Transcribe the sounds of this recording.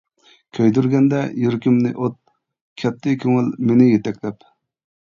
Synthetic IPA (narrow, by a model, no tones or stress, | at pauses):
kʲʰøjd̪yɾɡʲɛnd̪ɛjyɾkʲymnɪ̰ʔot̪̚ | kʲʰɛt̪ʰːɪkʲʰøŋɪlmenɪjet̪ʰɛkʲlɛp